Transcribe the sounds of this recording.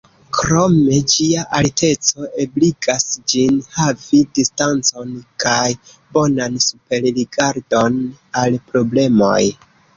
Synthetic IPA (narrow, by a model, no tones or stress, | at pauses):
kɾo̞me̞d͡ʒiaʔalte̞t͡so̞ebliɡasd͡ʒinhavidistant͡so̞nkaj | bo̞nansupe̞ɾliɡaɾdo̞nalpɾo̞ble̞mo̞̰j